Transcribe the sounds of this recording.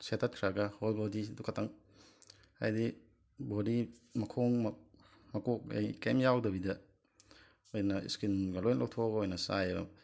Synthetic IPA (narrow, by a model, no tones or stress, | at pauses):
setʰat̚kʰɾaɡɐhojbodidukʰatʰɐŋ | a̰jdi | bodimɐkʰoŋm | mɐkok̚ḛjkemjawdɐbidɐ | ojnɐḭskinɡɐlojnlʔow̚tʰoɡojnɐsajɐbɐ̰